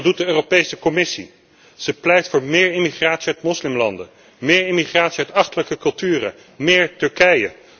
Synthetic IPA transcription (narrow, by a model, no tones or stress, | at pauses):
dut̚dəøːropejsəkɔmɪsḭ | z̥əplɛjtfʊːɹmɪːɹɪmiχraːtsiœɥtmɔslɪmlɑndə | mɪːɹɪmiχraːtsiœɥtɑχtələkəkɵlˠtyːrə̰ | mɪːɹtɵɹkɛjə̰